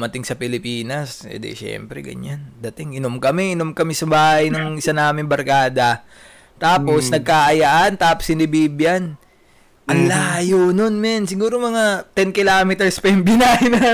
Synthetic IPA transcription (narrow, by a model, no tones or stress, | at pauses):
mɐt̪ɪŋsɐpɪlɪpiːnɐsɛ̰d̪ɛ̰ʃɛ̰mpɾɛ̰ɡɐ̰ɲand̪ɐt̪ɪŋʔɪnomkɐmɛɪnomkɐmɛsɐbaːhɐjnʊŋɪsanaːmɪnbɐɾkaːd̪ɐ | t̪aːpo̞snɐɡ̚kaʔɐjaʔɐnt̪aːposhɪnɪbiːbjɐn | ʔɐlːaːjononmɛnsɪɡuːɾomɐŋat̪ɛnkɪlaːmɛt̪ɛɹspɐjɪmbɪnaɪnɐ